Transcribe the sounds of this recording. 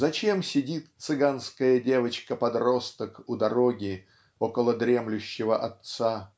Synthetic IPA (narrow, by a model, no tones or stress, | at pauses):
zɐt͡ɕe̞msʲɪdʲit̪t̪sɨɡanskəjədʲe̞vət͡ɕkəpɐd̪ro̞st̪əkʊd̪ɐɾo̞ɡʲɪ | okəlˠəd̪ɾʲe̞mlʲʊɕːɪvəʔɐt̪sa